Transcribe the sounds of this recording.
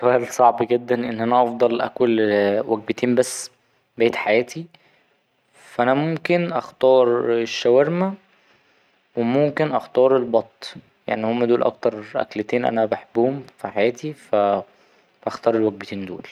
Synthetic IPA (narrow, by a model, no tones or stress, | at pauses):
swæːlsˤɑʕbɡed̪ːænʔenːʔænæʔɑfd̪ˤɑlʔæ̰kwelwæɡ̚bet̪iːmbæsː | bæjt̪ħajæːt̪i | fʔænæmomkenʔɑxt̪ɑːɾˤeʃːæwæɾmæ | wemomkenʔɑxt̪ˤɑːɾˤelbɑt̪ˤː | ja̰ʕnihomːæʔd̪uːlʔɑ̰k̚t̪ɑɾˤʔæ̰klet̪eːnʔæ̰næbeħebːuhomfiħajæːt̪ifæ | bʔæxt̪ˤɑːɾˤelwæɡ̚bet̪iːnd̪ṵːl